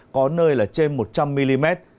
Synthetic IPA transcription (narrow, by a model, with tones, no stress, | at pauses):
kɔ˨˦nəː˧jlaː˨˩t͡ɕe˧nmo˨˩t̚t͡ɕa˧mːi˧li˧mɛ˦˥t̚